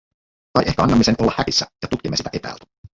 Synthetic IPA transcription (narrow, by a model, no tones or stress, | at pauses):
kɑjʔe̞hkæɑnːɑmːisenʔo̞lːɑhæɾisːæ̰jɑt̪ut̪kimːesit̪æʔe̞pæ̰ːlt̪æ̥